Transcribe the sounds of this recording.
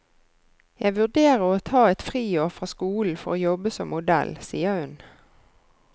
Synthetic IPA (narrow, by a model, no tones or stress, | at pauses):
jæɪʋʉd̪eːʁəʁoːt̪ʰɑːɛt̪fʁiːjoːʁfʁɑːskuːln̩fɔʁoːjɔbəsɔmːʊd̪ɛ̰lsiːəhʉn